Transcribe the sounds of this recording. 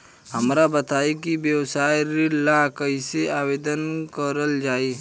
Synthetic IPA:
ɦɐmɾabɐt̪aːikibjəwsaːjɾilakɐɦiseaːweːd̪ənkəɾəld͡ʒaːiː

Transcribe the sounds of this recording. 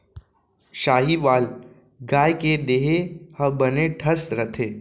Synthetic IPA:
ʃaːɦiʋaːl | ɡaːjked̪eːɦehɐ̃bɐneʈʰɐsɾɐt̪ʰeː

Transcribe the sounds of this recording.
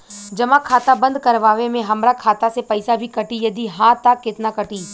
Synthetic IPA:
d͡ʒɐmakʰaːt̪abɐ̃nd̪kɐɾʋaːʋemẽɦɐmɾakʰaːt̪asepɐɪsabʱikɐʈijɐd̪iɦãt̪akɪt̪nakɐʈiː

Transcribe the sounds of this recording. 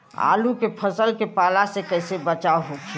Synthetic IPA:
a̰ːlukepʰəsəlkepaːlasekɛːsebət͡ʃaɦokʰ

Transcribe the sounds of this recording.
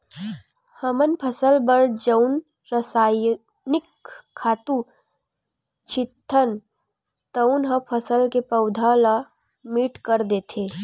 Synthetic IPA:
həmənpʰəsəlbəɾd͡ʒəʊn | ɾəsaːj | nɪkʰːaːt̪u | t͡ʃʰɪt̪ʰːən | t̪əʊnɦəpʰəsəlkepɐʊd̪ʱala | miːʈkəɾd̪eːt̪ʰeː

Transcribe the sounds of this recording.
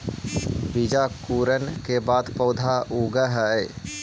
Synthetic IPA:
bid͡ʒakuːɾənkebaːd̪pɔʊd̪ʱauɡəɦɛ

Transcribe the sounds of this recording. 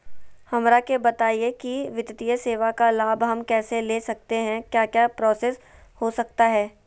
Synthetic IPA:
hɐmɾakebɐt̪aːiekiʋɪt̪t̪ijəseːʋakalaːbɦɐmkɛːseleːsɐk̚t̪eɦɛ̃kjaːkjaːpɾɔːseːs | hosɐk̚t̪aɦɛː

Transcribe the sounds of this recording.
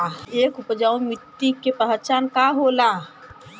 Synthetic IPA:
ekupd͡ʒaːwmit̪ːikepəɦɾt͡ʃankaɦola

